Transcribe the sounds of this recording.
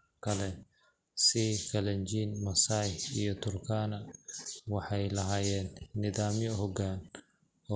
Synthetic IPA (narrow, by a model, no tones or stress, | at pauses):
kʰɐlɛ | sɪkʰɐlɐɲt͡ʃiːnmɐsaːjijɞt̪ʰʊrkʰaːnɐwɑħɑjlɐɦaːjɛːnːɪðaːmjɔɦɔɡaːn | ɔ